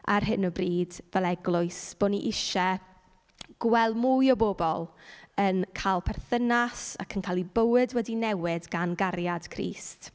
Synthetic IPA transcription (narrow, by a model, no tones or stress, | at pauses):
a̰rɦɪnɔbriːdvɛlˠɛɡlˠʊɨsb̥oːniʔɪʃɛ | ɡ̥wɛlˠmujɔboːbɔlˠənkʰalˠpʰɛrθənasa̰kʰənkʰaːlˠibəwɨdwɛdinɛwɪdɡanɡaɾjad̥kʰrḭːst